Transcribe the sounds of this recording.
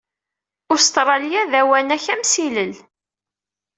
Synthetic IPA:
ʊɾst̪ɾˤɑlijæðæwænæçæmsiləl

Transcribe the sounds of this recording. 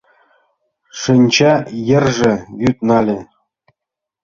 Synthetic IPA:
ʂɨnʲt͡ɕɑjɘ̆rʐɘ̆βyt̪̚nɑlʲɘ̆

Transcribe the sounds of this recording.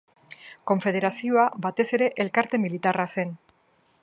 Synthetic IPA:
ko̞ɱfe̞ð̞e̞ɾasio̞abat̪e̞se̞ɾe̞ʔelkaɾt̪e̞milit̪arase̞n

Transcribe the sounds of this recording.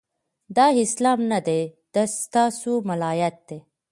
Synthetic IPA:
d̪ɑɪslɑmnad̪ed̪̥asst̪ɑsumalɑjat̪̚d̪̥e

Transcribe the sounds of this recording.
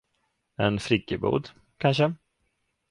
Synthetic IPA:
ɛnfɾɪkːəbṵːd̪ | kʰanʂə

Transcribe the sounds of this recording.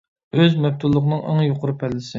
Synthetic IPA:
øzmɛp̚t̪ʰulˠːʊqnɨŋɑ̰ŋjoqʊɾpʰɛlːɪsɪ

